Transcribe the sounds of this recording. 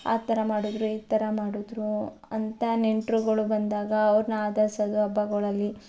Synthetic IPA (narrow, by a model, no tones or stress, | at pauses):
a̰ːt̪ɐɾɐmaːɽud̪ɾuiːt̪ːɐɾɐmaːɽud̪ɾuɐnt̪ɐneɳʈɾuɡɐɭubɐnd̪aːɡɐːʋɐɾnɐaːd̪ɐɾsɐd̪uɐbɐɡɔɭɐlːi